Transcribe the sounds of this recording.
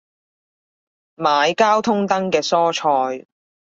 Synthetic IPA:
maː˨˧jkaː˥wt̪ʰʊ˥ŋt̪ɐ˥ŋkɛː˧sɔː˥t͡ʃʰɔː˧j

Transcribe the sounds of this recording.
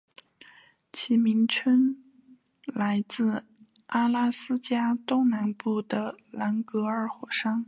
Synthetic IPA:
t͡ɕʰi˧˥mi˧˥nʈ͡ʂʰə˥n | la˧˥ɪt͡sɹ̩˥˩ | ʔa˥la˥sɹ̩˥t͡ɕja˥t̪ʊ˥ŋna˧˥npu˥˩d̪ə˩la˧˥nkɤ˧˥ə˞˨˧˩xwɔ˨˩ʂɑ˥ŋ

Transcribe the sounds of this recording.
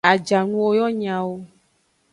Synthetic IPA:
a˨d͡ʒa˨nũ˦wo˦jɔ˦ɲã˨wo˦

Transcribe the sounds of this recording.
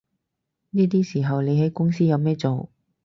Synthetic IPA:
niː˥t̪̬iː˥siː˨˩ɦɐ˨wle˨˧jɦɐ˨˥jkʊ˥ŋsiː˥jɐ˨˧wmɛː˥t͡so˨w

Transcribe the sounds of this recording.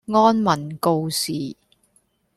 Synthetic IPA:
ŋɔː˥nmɐ˨˩nko˧wsiː˨˩

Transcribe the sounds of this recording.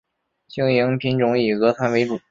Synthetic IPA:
ɕi˥ŋji˧˥ŋpʰi˧˥nʈ͡ʂʊ˧˥ŋi˨˩ɣɤ˧˥t̪ʰa˧˥nwe˧˥ɪʈ͡ʂu˨˩˦

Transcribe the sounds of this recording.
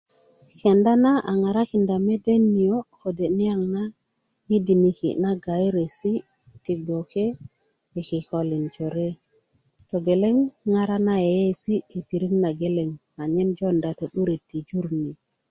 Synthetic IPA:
ke˨nda˦na˦ʔa˨ŋa˨ɾa˦ki˨nda˨me˦de˦nːi˨o˦ko˨de˨ni˦ja˦˨ŋna˦ | ji˦di˨ni˨kḭ˨na˦ɡa˨jɾe˨si˦ | ti˨ɡo˨ke˦ | e˨ki˨ko˨li˨nd͡ʒo˨ɾe˦ | to˨ɡe˨le˦ŋːa˨ɾa˦na˦je˨je˦si˦i˨pi˨ɾi˦ŋna˨ɡe˦le˨ŋ | a˨ɲe˦nd͡ʒo˦nda˨to˨ɗu˦ɾi˨tːi˨d͡ʒu˦ɾni˨

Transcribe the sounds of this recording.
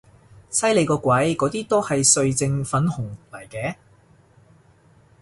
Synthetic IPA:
sɐ˥jle˨˧jkɔː˧kʷwɐ˨˥jkɔː˨˧˥t̪iː˥t̪o˥whɐ˨jsɵ˧ɥt͡sɪ˧ŋfɐ˨˥nhʊ˨˩ŋlɐ˨˩jkɛː˨˧

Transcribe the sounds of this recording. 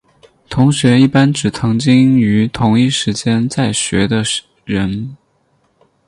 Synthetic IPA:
t̪ʰʊ˧˥ŋɕɥɛ˧˥i˥˩pa˥nʈ͡ʂɻ̩˨˩t͡sʰɤ˧˥ŋt͡ɕi˥ŋy˧˥t̪ʰʊ˧˥ŋi˥˩ʂɻ̩˧˥t͡ɕjɛ˥nt͡sa˥˩ɪɕɥɛ̰˧˥d̪ə˧ | ɻə˧˥n

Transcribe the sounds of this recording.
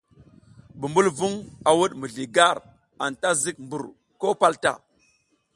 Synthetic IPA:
bu˨mbu˦lvu˦ŋa˨wu˦ɗmu˨ɮi˨ɡa˦˨ɾ | a˨nta˦zi˦k̚mbu˨ɾ | ko˦pa˦lta̰˦˨

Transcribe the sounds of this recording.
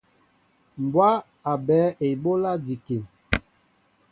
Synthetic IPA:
m˨bwa˦ | a˨bɛː˨˦ʔe˨bo˦la˦di˨ke˨

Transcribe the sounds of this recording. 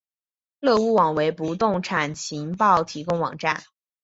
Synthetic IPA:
lɤ˥˧u˥˩wɑ˨˩ŋwe˧˥ɪpu˧˥t̪ʊ˥˩ŋʈ͡ʂʰa˨˩nt͡ɕʰi˧˥ŋpɑ˥˩ʊt̪ʰi˧˥kʊ˥ŋwɑ̰˨˩ŋʈ͡ʂa˥˩n

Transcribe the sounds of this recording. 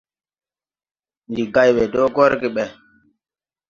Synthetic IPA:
ndi˨ɡa˦jwe˨do˦ɡɔ˦ɾɡi˨ɓɛ˨

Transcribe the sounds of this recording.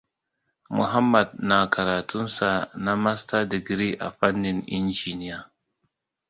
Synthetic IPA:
mʊ̰˨ɦa˦mːɐ˨d̚na˨kʰɐ˨ɾaː˨tʰʊ˦nsa˨na˦ma˦sta˦dɪ˨ɡɾi˦ʔa̰˨ɸa˦nːɪ˨nʔɪ̰˦nd͡ʒiː˨nɪ˦ja˨

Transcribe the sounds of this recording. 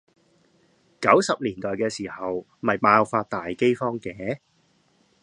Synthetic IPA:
kɐ˨˥wsɐ˨p̚liː˨˩nt̪ɔː˨jkɛː˧siː˨˩hɐ˨w | mɐ˨jpaː˧wfaː˧t̚t̪aː˨jke˥jfɔː˥ŋkɛː˨˥˦

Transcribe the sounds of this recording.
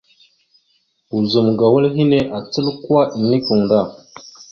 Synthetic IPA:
u˨zu˨mɡa˨wə˦lɦi˦ne˦ʔa˨t͡sə˦lkwa˦ʔi˨ni˦ku˨ŋda˦˨

